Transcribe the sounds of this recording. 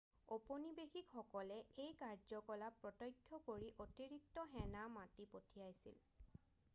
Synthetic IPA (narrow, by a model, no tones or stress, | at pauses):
oponibexikxɔkɔlɛejkaɹzɔkɔlapɹɔtɔjkʰːjɔkoɹiʔotiɹik̚tɔɦɛnamatipotʰijajsḭl